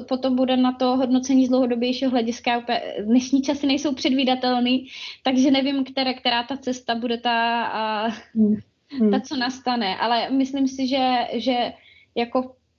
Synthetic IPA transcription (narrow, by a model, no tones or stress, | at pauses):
po̞t̪o̞mbudɛnat̪o̞ɦo̞dno̞t͡sɛɲiːzdlowɦo̞dobjɛjʃiːɦoɦlɛɟɪskajaupɛ̰dnɛʃɲiːt͡ʃasɪnɛjso̞wpr̝̥ɛdviːdat̪ɛlniːt̪aɡʒɛnɛvɪmkt̪ɛɾɛkt̪ɛɾaːt̪at͡sɛst̪abudɛt̪a | t̪at͡so̞nast̪anɛʔa̰lɛmɪslimsɪʒɛʒɛ | jako̞